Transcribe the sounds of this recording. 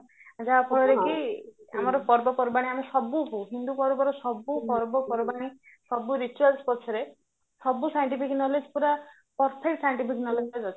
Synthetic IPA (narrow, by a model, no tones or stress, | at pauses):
d͡ʒapʰɔɭɔɾekʰia̰mɔɾɔpɔɾbɔpɔɾbaɽ̃iamesɔbupuɦind̪ukɔɾubɔɾɔsɔbːukɔɾbɔkɔɾɔbaɽ̃i | sɔbuɾit͡ʃualspɔt͡ʃʰɔɾe | sɔbusajɔɳʈipʰiknɔled͡ʒpuɾa | pɔɾpʰek̚ʈsajɔɳʈipʰiknɔled͡ʒad͡ʒɔt͡ʃʰ